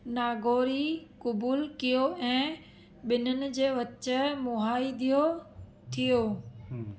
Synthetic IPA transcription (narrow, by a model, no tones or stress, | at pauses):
naːɡoːɾikʊbuːlkijoɛ̃ː | ɓɪnənɪ̆d͡ʑeːʋɐt͡ɕə̆mʊɦaːid̪ʱijo | t̪ʰijoː